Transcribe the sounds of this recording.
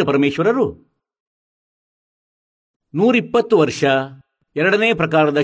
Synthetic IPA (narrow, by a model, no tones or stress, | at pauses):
upɐɾɐmeːʂʋɐɾɐɾu | nuːɾipːɐt̪ːuʋɐɾʂɐ | ɛɾɐɽɐneːpɾɐkaːɾɐd̪ɐ